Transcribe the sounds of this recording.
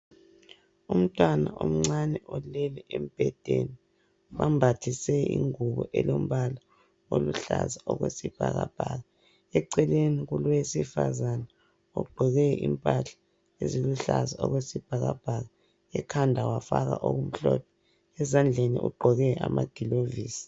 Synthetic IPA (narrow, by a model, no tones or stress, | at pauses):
um̩tʼwanaʔom̩ŋ͡ǀanɛʔɔlɛlɛʔem̩b̥ʱɛd̥ʱeni | wambʱatʰisɛḭŋuβɔʔɛlom̩βala | oluɬazaʔɔɣwesib̥ʱa̰ɣab̥ʱaɣa | ɛǀɛleniɣuluesifazanɛ | uɡ͡ǃʱɔɣɛimpʼaɬḁ | eziluɬazaɔɣwesib̥ʱaɣab̥ʱaɣa | ɛkʰandʱawafaɣa̰ʔoɣum̩ɬɔpʰɛ | ɛzand͡ɮʱeniʔuɡ͡ǃʱɔɣɛamaɡ̥ʱiloviːsi̥